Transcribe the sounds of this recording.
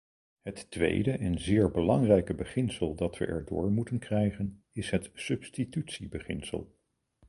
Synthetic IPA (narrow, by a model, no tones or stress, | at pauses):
ɦəttʋḛjdəʔɛnzɪːɹbəlɑŋrɛjkəbəχɪnsəlˠdɑtʋə̰ʔɛ̰ɹdʊ̰ːɹmutənkrɛjχən | ɪsɦətsɵpstitytsibəχɪnsə̰lˠ